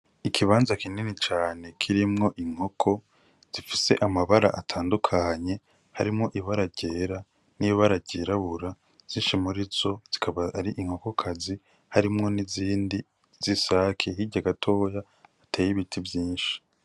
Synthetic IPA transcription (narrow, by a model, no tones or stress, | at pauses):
ikʰiβaːnzakininit͡ʃaːne̞kʰiɾimŋo̞ʔiŋ̥ho̞kʰo̞ | z̥ifise̞ʔamaβaɾa̰ʔatʰaːndukʰaɲe̞ | haɾimŋo̞ʔiβaɾaɾɟeːɾa | niβaɾaɟeːɾaβuɾa | z̥iːnʃimuɾizo̞z̥ikʰaβaaɾiʔiŋ̥ho̞ko̞kʰazi | haɾimŋo̞niziːndi | z̥isakʰehiɟaɡatʰo̞ːjaː | tʰeːjiβitʰivjiːnʃi̥